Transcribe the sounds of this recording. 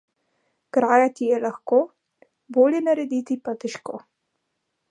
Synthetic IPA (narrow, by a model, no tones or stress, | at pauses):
kɾaːjat̪ijɛlaxkoː | boːljɛnaɾɛd̪it̪ipat̪ɛʃko̰ː